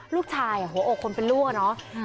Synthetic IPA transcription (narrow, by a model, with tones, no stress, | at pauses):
luː˥˩k̚t͡ɕʰaː˧jʔa˨˩ɦu˩˦ʔoː˨˩kʰːo˧npe˧nlu˥˩ək̚nɔ˦˥